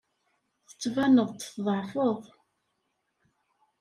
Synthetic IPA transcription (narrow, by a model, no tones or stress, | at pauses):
θət͡sːvænəʁˤt̪θðˤɑʕfəðˤ